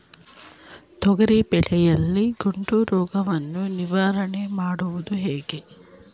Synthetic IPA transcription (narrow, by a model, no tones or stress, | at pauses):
t̪ɔɡɐɾipɛɭɛjɐlːiɡuɳʈuɾɔːɡɐʋɐnːuniʋaːɾɐɳemaːɽuʋud̪uɦeːɡe